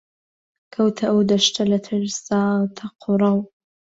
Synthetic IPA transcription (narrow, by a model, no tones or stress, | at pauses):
kʰɐwt̪ʰɐʔwd̪ɐʃt̪ʰɐlɐt̪ʰɪɾsaːt̪ʰɐqʰʊɾˤɑw